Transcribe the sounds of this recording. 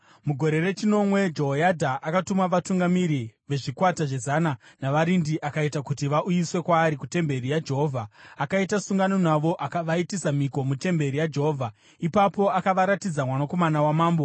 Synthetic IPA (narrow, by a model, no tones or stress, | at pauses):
muɡʱo̞ɾe̞re̞t͡ʃino̞mwe̞d͡ʒoojadʱaʔakatumaʋatuŋɡamiɾiʋe̞ʐikwataʐe̞zananaʋaɾindiʔakaitakutiʋaʔujiswe̞kwaːɾikute̞mbe̞ɾijad͡ʒe̞ɦoːvʱaːkaitasuŋɡano̞naʋo̞ʔakaʋaitisamiko̞mute̞mbe̞ɾijad͡ʒe̞ɦovʱa | ipapo̞akaʋaɾatid͡zamwanako̞manawamaːmbo